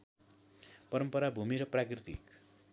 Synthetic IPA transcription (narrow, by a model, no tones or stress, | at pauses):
pʌɾʌmpʌɾabʱumiɾʌprakrit̪ḭk